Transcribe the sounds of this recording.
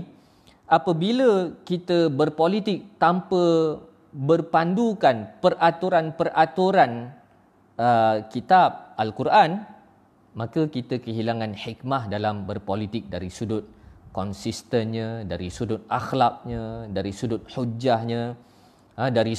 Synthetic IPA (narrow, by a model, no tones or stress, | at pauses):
ʔapəbiləkit̪əbərpolit̪ɪk̚t̪ampə | bərpandukanpərʔat̪uɾanpərat̪uɾan | əkit̪ab̚alkurʔan | makəkit̪əkəɦilaŋanħik̚mahdalambərpolit̪ɪk̚daɾisudʊt̪̚kɔnsist̪ənɲə̃daɾisudʊt̪̚axlak̚ɲə̃daɾisudʊt̪̚ħud͡ʒahɲə | ədaɾi